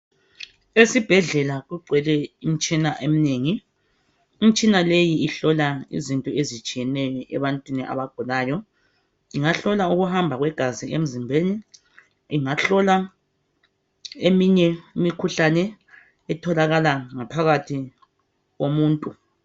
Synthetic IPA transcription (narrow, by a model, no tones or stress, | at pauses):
esib̥ʱɛɮɛlaɣuɡ͡ǀʱwɛlɛim̩t͡ʃʼinaʔemineːŋiː | m̩t͡ʃʼinalejiːɬɔlaḭzintʼɔezit͡ʃʼijɛnɛjɔʔɛ̰βantʼwiniʔa̰βaɡ̥ʱulaːjɔ | iŋaɬɔlauɣuhambʱaɣwɛɡ̥ʱaziem̩zimbʱeːniː | ŋaɬɔla | emiɲɛimikʰuɬanɛ | ɛtʰɔlaɣalaŋapʰaɣatʰi | ɣomuːntʼu